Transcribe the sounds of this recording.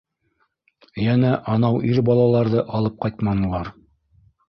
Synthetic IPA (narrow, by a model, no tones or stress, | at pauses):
jænæʔɑnɑwʔiɾbɑlˠɑlˠɑɾðɤʔɑlˠɤp̚qɑjt̪mɑnɤ̆lˠɑɾ